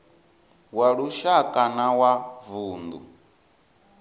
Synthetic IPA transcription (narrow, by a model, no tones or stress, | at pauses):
waɺuʃakʼanawavuːnd̪ṵ